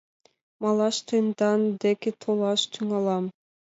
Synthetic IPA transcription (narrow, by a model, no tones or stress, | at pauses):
mɑlˠɑʃt̪ʰɨnd̪ɑnd̪ekit̪ʰolˠɑʃt̪ʰyŋɑlˠɑm